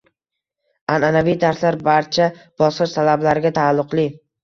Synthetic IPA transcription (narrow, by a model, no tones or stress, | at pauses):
ananavijt̪ʰaɾslaɾbaɾt͡ʃʰab̥ɒsqɨʃt̪ʰalablaɾɪɡʲat̪ʰaːlˠːʊqlˠi